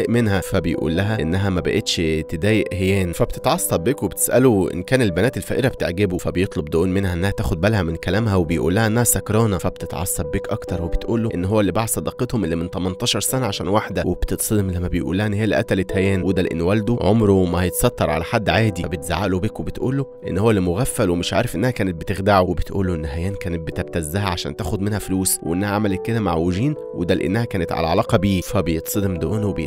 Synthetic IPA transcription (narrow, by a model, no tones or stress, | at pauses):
æjʔmenhæfæbejʔṵːlːæɦæʔḛnːæɦæmæbæ̰ʔet̪ʃt̪ed̪æːjeʔhejæːnfæbt̪e̥t̪ʕɑsˤːɑbːekwebet̪e̥sʔæloʔḛnkæːnelbænæːt̪elfæ̰ʔeɾæbet̪eʕɡebufæbejet̪ˤlobd̪oʔuːnmenhæʔenːæhæt̪æːxod̪̚bælhæmenkælæːmɦæwebejʔṵːlːæhæʔenːæhæsækɾˤɑːnɑfæbt̪et̪ʕɑ̰sˤːɑb̚ːeːkʔɑkt̪ɑɾˤwebet̪ʔṵːlːoʔenːɦowːælːibaʕsˤɑd̪ɑqet̪homʔelːiment̪æmɑnt̪ˤɑːʃɑɾˤsænæʕaʃæːnwaħd̪æwebt̪et̪sˤed̪emlːæmːæbejʔṵlːæhæʔenːhejːælʔæ̰t̪ːælæt̪hæjæːnwud̪ælʔḛnːwæld̪oʕomɾomæhɑjet̪ɑsˤɑt̪ːɑɾˤʕa̰læħad̪ːʕaːd̪ibet̪za̰ʕaːʔlobekwebet̪ʔuːlːoʔḛnːhowːælːimoɣæfːælwemeʃʕa̰ːɾefʔenːæhækæːnet̪̚bet̪exd̪aʕowebet̪ʔṵːlːoʔenːɦæjæːnkæːnet̪̚bet̪æb̚t̪æzːæɦæʕaʃæ̰ːnt̪æːxod̪menhæfluːsweʔḛnːæhæʕamælekːed̪æma̰ʕweʒiːn | wḛd̪ælʔḛnːæhækæːnet̪ʕa̰læ̰ʕɑlɑːqɑbiːfæbejet̪ˤsˤed̪md̪oʔuːnwebe